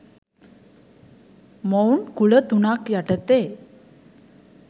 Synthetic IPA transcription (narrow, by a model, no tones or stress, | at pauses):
məwnkuɭət̪unakjaʈət̪e